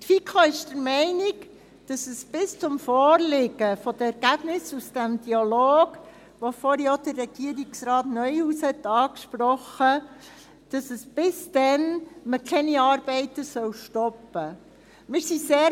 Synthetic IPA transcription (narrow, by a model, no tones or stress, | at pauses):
tfikʰɑɪʃdəɾmɛɪnɪɡ | d̥ɑsəsb̥ɪst͡sʊmfɔːɾlɪɡəfɔd̥̪əɛɾɡ̥æb̥nɪsusd̥æmd̥iɑloːɡ̥ | ʋofɔɾjod̥̪ərːɛɡ̥iəɾiksɾɑːtnœʏuːshɛt̪ːɑːkʃpɾɔχə | d̥ɑsəsb̥ɪsd̥ɛnməkʰɛniɑːɾb̥ɛɪt̪əsœwʃtɔpːə | mɪɾsiseː